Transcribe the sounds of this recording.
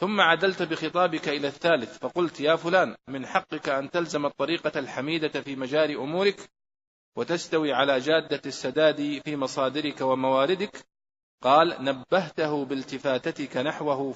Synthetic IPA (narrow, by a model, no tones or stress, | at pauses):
θʊmːaʕad̪alt̪bɪxɨt̪ˤɑːbɪkaʔɪlaːθːaːlɪθfɑqʊlt̪jaːfʊlaːnmɪnħɑqːɪkaʔant̪alzamɑt̪ˤːɑɾiːqɑlħamiːd̪afiːmad͡ʒaːlɪʔʊmuːɾɪk | wat̪ast̪awiːʕalaːd͡ʒaːd̪ːasːad̪aːd̪ifiːmɑsˤɑːd̪ɪɾɪkawamawaːɾɪd̪ɪk | qɑːlnabːaɦt̪aɦʊbɪlt̪ɪfaːt̪at̪ɪkanaħwaɦʊ